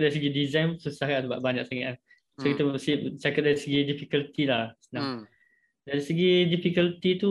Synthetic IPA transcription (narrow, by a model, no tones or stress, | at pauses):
daɾis̬əɡidizãjnpəsusahɦasəbaʔbaɲak̚saŋaan | sokit̪aəsip̚t͡ʃakat̚daɾisəɡidifikəlt̪ilahsənaŋ | daɾisəɡidifikəlt̪it̪u